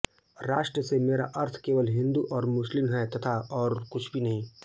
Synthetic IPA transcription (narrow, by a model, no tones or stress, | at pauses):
ɾaːʃʈɾəsemeːɾa̰ʔɐɾt̪ʰkeːʋəlɦɪ̃nd̪uʔɔːɾmʊslɪmɦɛt̪ɐt̪ʰaɔːɾkʊt͡ʃʰbʱinɐɦĩː